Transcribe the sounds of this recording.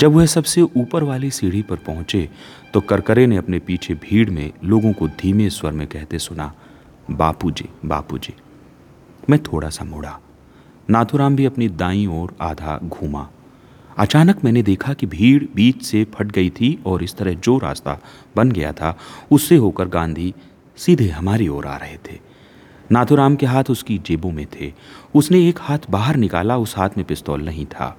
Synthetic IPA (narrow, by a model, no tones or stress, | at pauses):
d͡ʒɐbʋʊɦesɐbseʔuːpəɾʋaːlisiːɽ̤ipɐɾpɐɦʊ̃t͡ʃet̪okɐɾkəɾeneɐpnepiːt͡ʃʰebʱiːɽmḛ̃loːɡõkod̪ʱiːmeswɐɾmẽkɛɦt̪esʊna̰ | baːpud͡ʒḛːba̰ːpṵd͡ʒeː | mɛ̃ːt̪ʰoːɽa̰samʊɽa | naːt̪ʰuɾaːmbʱiɐpnid̪aːĩɔːɾa̰ːd̪ʱa̰ɡʱuːma̰ː | ɐt͡ʃaːnəkmɛ̃ːned̪eːkʰakibʱiːɽbiːt͡ʃsepʰɐʈ̚ɡɐit̪ʰiɔːɾɪst̪ɐɾəɦd͡ʒoːɾa̰ːst̪a̰ | bɐnɡɐja̰t̪ʰaʊsːeɦoːkəɾɡãːnd̪ʱi | sid̪ʱeɦɐmaːɾiɔːɾa̰ːɾɐɦet̪ʰeː | naːt̪ʰuɾaːmkeɦaːt̪ʰʊskid͡ʒeːbõmẽt̪ʰeːʊsneeːkhaːt̪ʰbaːɦəɾnɪka̰ːlaʊsɦaːt̪ʰmẽpɪst̪ɔ̰ːlnɐɦĩt̪ʰa̰ː